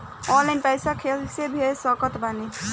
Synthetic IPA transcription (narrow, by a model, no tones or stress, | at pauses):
ɔlajnpajsakʰelsebʱesɔkɔt̪bani